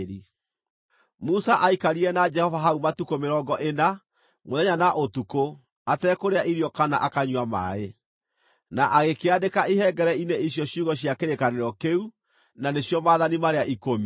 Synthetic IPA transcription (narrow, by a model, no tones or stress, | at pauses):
ɾi | musaʔaikaɾiɛnad͡ʒɛhɔvaɦaumatukomeɾɔɡɔʔena | moðɛɲanaʔotuko | atɛːkoɾeaʔiɾiɔkana̰ʔakaɲwama̰e | naʔaɣekeadekaiɦɛɡɛɾɛineiɕjɔɕjuːɣɔɕjakeɾekaneɾɔkeu | naneɕjɔmaːðanimaɾeaʔikomi